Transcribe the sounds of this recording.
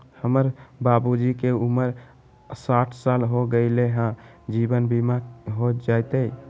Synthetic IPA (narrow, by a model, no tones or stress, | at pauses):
həməɾbabud͡ʒikeuməɾ | saʈʰsalɦoɡəɪleɦã | d͡ʒibənbʱimaɦod͡ʒajt̪əj